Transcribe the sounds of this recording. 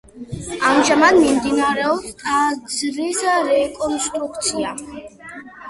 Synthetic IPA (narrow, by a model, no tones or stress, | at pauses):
amʒamad̪mimd̪inaɾɛɔpst̪ʼazɾisaɾɛkʼɔnst̪ʼɾukʰt̪sʰia